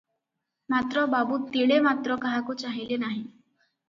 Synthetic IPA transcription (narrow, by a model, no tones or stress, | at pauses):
mat̪ɾɔbabut̪iɭemat̪ɾɔkaɦakut͡saɦilenaɦi